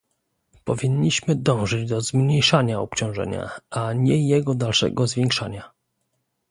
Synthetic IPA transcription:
pɔvʲiɲːiɕmɘd̪ɔ̃w̃ʐɘd͡ʑd̪ɔzmɲejʂaɲaɔp̚t͡ɕɔ̃w̃ʐɛ̰ɲa̰ʔaɲɛjɛɡɔd̪alʂɛ̰ɡɔzvʲjɛŋkʂaɲa

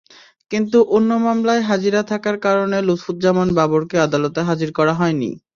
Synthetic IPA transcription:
kint̪uʔonːomamlaeɦad͡ʑiɾat̪ʰakaɾkaɾonelut̪fut̪̚d͡ʑamonbaboɾkead̪alot̪eɦad͡ʑiɾkɔɾaɦɔenḭ

